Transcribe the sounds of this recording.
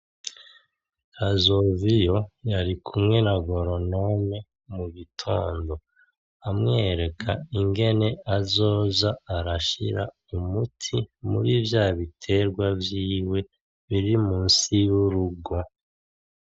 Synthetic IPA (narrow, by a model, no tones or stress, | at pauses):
kazo̞vijo̞jaɾikʰumŋe̞naɡo̞ɾo̞no̞me̞ | muβitʰo̞ːndo̞ | amŋe̞ːɾe̞kʰaiŋɡe̞ne̞azo̞ːzaːɾaʃḭɾa̰ | umutʰimṵɾivjaːβitʰe̞ɾɡwavjiːwe̞ | βiɾimuːnsiwuɾuɡo̞